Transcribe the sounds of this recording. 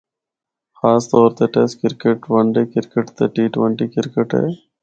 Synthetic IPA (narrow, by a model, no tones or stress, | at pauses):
xaːst̪ɔːɾt̪eːʈeskɪɾkeʈʋəɳɖeːkɪɾkəʈt̪eːʈiːʈʋəɳʈiːkɪɾkəʈɦḛː